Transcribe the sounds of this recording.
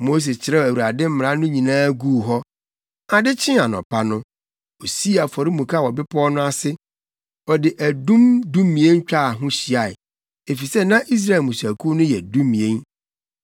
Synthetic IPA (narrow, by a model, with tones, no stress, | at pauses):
mo˦s̬e˨t͡ɕʰɪ˨ɾɛ˦wæ˨wu˨ɾa˨dɪ˦m̩˦m˨ɾa˦nʊ̃˦ɲĩ˨nãː˦ɡuː˦˨ɦɔ˦ | a˨dɪ˦t͡ɕʰɪ̃˦a˨nɔ̰̃˨pʰa˦nʊ̃˦ | o˨si˦a˨fɔ˨ɾi˦mũ˨kʰa˦˨ɔ˨bɪ˦pʰɔ˦nʊ̃˦a˦sɪ˦ | ɔ˨dɪ˨ʔæ˨dũ˦mdũ˦mːĩ˨ẽ˦n˦t͡ɕᶣa˦˨ɦʊ̃˦ɕi˨a˨ɪ˨ | e˨fi˨sɛ˦nã˦ʔi˦s̬ɾa˦˨e˨lmũ˨sæ˨kʰu˦nʊ̃˦jɛ˨dũ˦mmĩ˨ẽ˦n